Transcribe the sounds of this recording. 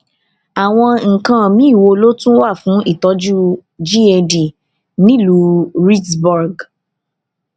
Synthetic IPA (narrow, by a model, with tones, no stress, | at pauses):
a˨w̃ɔ̃˧ŋ̩˨kã˧mĩ˨˦˨wo˧lo˦tũ˦wa˦˨fũ˨˦i˦˨tɔ˨˦d͡ʒu˦d͡ʒi˦e˧di˨ | nĩ˦lu˨˧ɾi˦tbɔ˧ɾɡ